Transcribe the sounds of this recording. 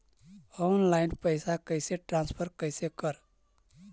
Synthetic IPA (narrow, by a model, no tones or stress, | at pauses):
onlaɪnpəɪsakəɪseʈɾãnspʰəɾkəɪsekəɾ